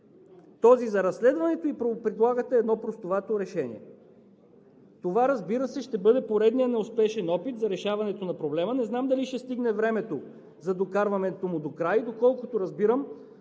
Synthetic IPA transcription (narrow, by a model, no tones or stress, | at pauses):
t̪ɔzizɐɾɐsːlɛd̪vɐnɛt̪oipɾopɾid̪lˠaɡət̪ɛɛd̪nɔpɾost̪ovat̪oɾɛʃɛnḭɛ̰ | t̪ovaɾɐzbiɾəsɛʃt̪ɛbɤd̪ɛpoɾɛd̪nijənɛʊspɛʃɛnɔpit̪zɐɾɛʃavɐnɛt̪onɐpɾoblɛmənɛznamd̪ɐliʃt̪ɛst̪iɡnɛvɾɛmɛt̪o | zɐd̪okaɾvɐnɛt̪omʊd̪okɾajd̪okɔlˠkʊt̪oɾɐzbiɾəm